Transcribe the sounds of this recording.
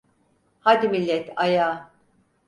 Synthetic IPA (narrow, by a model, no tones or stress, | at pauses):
had̪imilʲːɛt̪ʰajaː